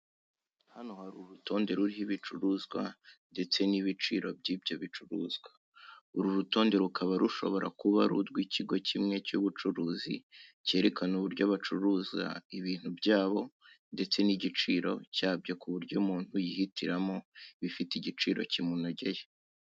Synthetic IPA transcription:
hanohaɾuɾutʰo̞ːnde̞ɾuɾihiβit͡ʃuɾuːzɡwa̰nde̞t͡se̞niβit͡ʃiːɾo̞bɟiːbjo̞βit͡ʃuɾṵːzɡwa | uɾuɾuto̞ːnde̞ɾukaβaɾuʃo̞̰βo̞ɾʔa̰kuβa̰ɾṵdɡwiːciɡo̞cʰimŋe̞cuβut͡ʃuɾuːzḭce̞ːɾe̞kanuβuɾɟoβat͡ʃuɾuːzɡa̰iβiːn̥hubɟaːβo̞ | nde̞t͡se̞niɟit͡ʃiːɾo̞̰caːbɟakuβuɾɟomuːn̥ujihitʰiɾamo̞βifitiɟit͡ʃiːɾo̞̰cimunaɟeje

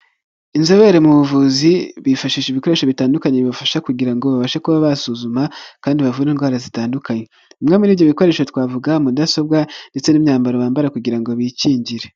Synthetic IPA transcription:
inzoβeɾemuβuvuziβifaʃiːʃeβiko̞ɾe̞ːʃoβitaːndukaɲeβiβafaʃakuɟiɾaŋɡo̞βaβaʃakuβaβasuzumakaːndiβavuɾiːŋɡwaːɾazitaːndukaɲe | umŋemuɾiːvɟoβiko̞ɾe̞ːʃotwaːvuɡamudaso̞b̚ɡande̞t͡se̞nimɲaːmbaɾoβaːmbaɾakuɟiɾaŋɡo̞βiciːɲɟiɾe

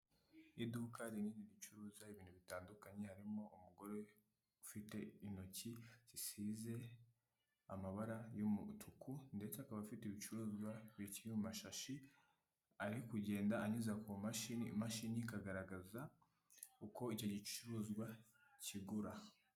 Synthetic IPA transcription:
idukaɾiniːniɾit͡ʃuɾuːzaiβiːn̥huβitaːndukaɲe̞haɾimo̞ʔumuɡo̞ɾe̞ | ufite̞ino̞cizisiːze̞ | amaβaɾajomutʰukʰunde̞t͡saːkaβafiteβit͡ʃuɾuːzɡwaβiciumaʃaʃi | aɾikuɟe̞ːndaaɲizakumaʃinimaʃinikaɡaɾaɡaza | uko̞ico̞ɟit͡ʃuɾuːzɡwaciɡuɾa

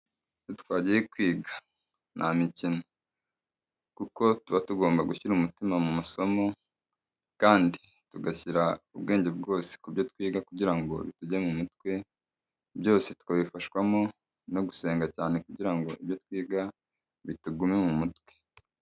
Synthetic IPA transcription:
utkwaːɟijekwiːɡḁ | nʔa̰micino | kuko̞tuβatuɡo̞ːmbaɡuçiɾumutimamumaso̞mo̞ | kaːndi | tuɡaçiɾaubɡe̞ːɲɟe̞bɡo̞ːse̥kubjo̞twiːɡakuɟiɾaŋɡo̞̰βḭtuɟemumutwe̞ | bjo̞ːse̞tu̥kaβifaʃwamo̞ | no̞ɡuse̞ːŋɡacaːne̞kuɟiɾaŋɡo̞ʔiβjo̞twiːɡa | βituɡumemumutkwe̞̥

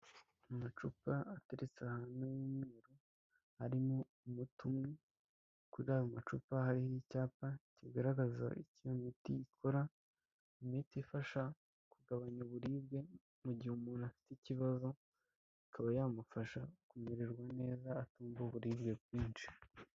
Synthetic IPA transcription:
amat͡ʃupaateɾet͡seahanujimŋeeɾo | haɾimo | umutumŋe | kuɾiɾajumat͡ʃupahaɾihicaːpaciɡaɾaɡaza̰ʔicijomitijikʰo̞ɾa | imitifaʃa | kuɡaβaɲoβuɾiːbɡe̞ | muɟihumuːnuafi̥teciβazo̞ | ikʰaβajaːmufaʃakumeɾeɾɡwane̞ːzaːtuːmboβuɾiːβɡe̞b̚ɡiːnt͡ʃi̥

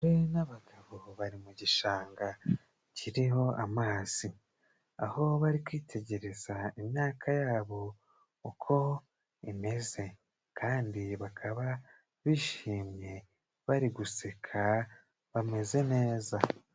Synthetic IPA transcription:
uɾinaβaɡaβo̞βaɾimuɟiʃaːŋɡa | ciɾiho̞ʔamaːz̥i | aho̞βaɾikwiːtʰe̞ɟe̞ɾe̞z̥aimɲaːkʰajaːβo̞ | ukʰo̞ | ime̞ze̞ | kʰaːndiβakʰaβa | βiʃiːmɲe̞ | βaɾiɡusekʰa | βame̞ze̞ne̞ːza

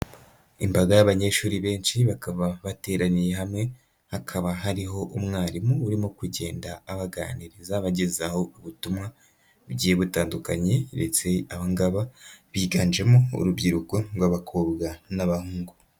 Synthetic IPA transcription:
imbaɡajaβaɲe̞ːʃuːɾiβe̞ːnʃiβakaβaβate̞ːɾanije̞ɦamŋe̞ | hakʰaβaɦaɾiɦo̞ʔumŋaːɾimuuɾimokuɟe̞ːndaːβaɡa̰ːniɾizaβaɟezaho̞uβutumŋa | βɟiːjeβutaːndukaɲe̞de̞t͡se̞aβaŋɡaβaβiːɡaːnd͡ʒe̞moṵɾubɟiɾukoɾwaβakʰoːbɡanaβahuːŋɡu

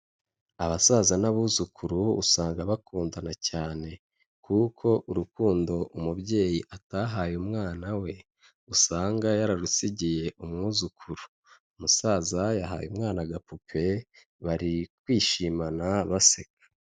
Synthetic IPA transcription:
aβasazanaβuːzukʰuɾuːsaːŋɡaβakuːndanacaːne̞ | kukʰo̞ʔuɾukuːndo̞ʔumubɟe̞ːjiʔataɦaːjumŋaːnawe̞ | usaːŋɡajaɾaɾusiɟije̞ʔumŋuːzukʰuɾuː | musaːzajaɦa̰ːjumŋaːnaɡapupʰe̞ | βaɾikwiːʃiːmanaβasekḁ

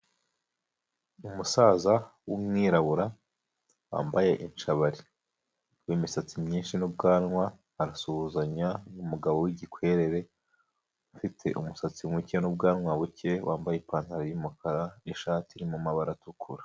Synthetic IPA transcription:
umusaːzawumŋiːɾaβuɾa | wa̰ːmbaje̞ʔint͡ʃaβaɾi | wiːmisat͡simɲiːnʃinub̚ɡaːnŋwaː | ɾasuβuzaɲanumuɡaβo̞wiɟikwe̞ːɾe̞ɾe̞ | ufitʰe̞̰ʔumusat͡simŋucenub̚ɡaːnŋwaβuce̞wʔa̰ːmbajepaːn̥haɾajumukʰaɾaniʃaːtiɾimumaβaɾatukʰuɾḁ

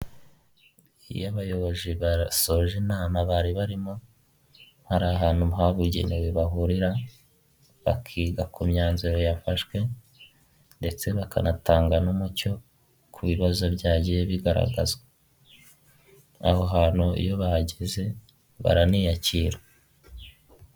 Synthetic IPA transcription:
ḭjaβajo̞βo̞ziβaso̞ʒenaːmaβaɾiβaɾimo | haɾaːɦaːnhumɦaβuɟḛnewiβaɦuɾiɾa | βa̰kʰiːɡakʰumɲaːnziɾo̞jafaʃkwe̞ | nde̞t͡se̞βakʰa̰nataːŋɡanumuco̞ | kʰuβiβazo̞bɟaːɟijeβiɡaɾa̰ɡaza | a̰ho̞ɦaːn̥uḭjo̞βaɟeze̞ | βa̰ɾaniːjaciːɾa

